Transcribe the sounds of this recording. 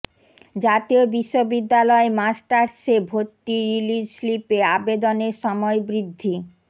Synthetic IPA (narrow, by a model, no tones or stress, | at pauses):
d͡ʑat̪iobiʃːobid̪ːalɔemasʈaɾsebʱoʈ̪ːiɾilid͡ʑslipeabed̪oneɾʃɔmɔebɾid̪ʱːi